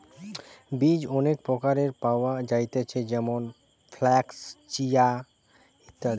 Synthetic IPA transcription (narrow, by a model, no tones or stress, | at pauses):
bid͡ʑɔnekpɾɔkaɾeɾpaoad͡ʑajt̪et͡ɕʰed͡ʑɛmon | fʰlɛkst͡ɕija | it̪ːa